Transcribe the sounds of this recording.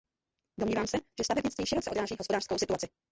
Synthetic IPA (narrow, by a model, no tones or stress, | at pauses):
domɲiːvaːmsɛʒ̥ɛst̪avɛbɲɪt͡st̪viːʃɪɾot͡sɛʔod̪ɾaːʒiːɦospo̞daːr̥skowsɪt̪uat͡sɪ